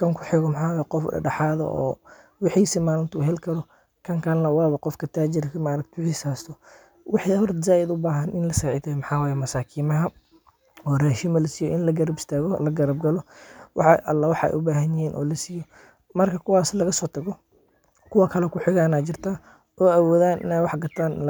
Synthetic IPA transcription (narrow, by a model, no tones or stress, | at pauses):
kʰɐŋkʰʊħɪɣɔmɑħaːwaːjɛqɔfɐ̰ɖɑħaːðɔ̰ʔɔ̰ː | wɪħiːsɪmaːlɪnt̪ʰɐʊɦɛlkʰɐɾɔ | kʰɐŋkʰɐnlɐwaːβɐqɔfkʰɐt̪ʰaːt͡ʃɪrkʰɐmaːɾɐk̚t̪ʰɛwɪħisaːst̪ʰɔ | wʔɑħiɦɔrt̪zaːjɪd̪ʊbaːɦɐnʔɪnlɐsɐʕɪt̪ʰɛmɑħɑːwaːjɛmɐsaːkʰiːmɐɦɐ | ɔːrɛːʃɪmɐlɐsɪjɔʔɪnlɐɡɐɾɐbɪst̪ʰaːɣɔlɐɡɐɾɐb̚ɡɐlɔwʔɑ̰ħɑʔɐ̰lːawɑħɑ̰ɛ̰ʔʊbaːɦɐnjɪhiːnʔɔ̰ːlɐsijɔ | mɐrkʰɐkʰʊwaːslɐɣɐsɔːt̪ʰɐɣɔ | kʰʊwakʰɐlɛkʊħɪɣaːnaːt͡ʃɪrt̪ʰaː | ʔɔːawɔːðaːnʔɪ̰nɛːjwɑħɡɐt̪ʰaːn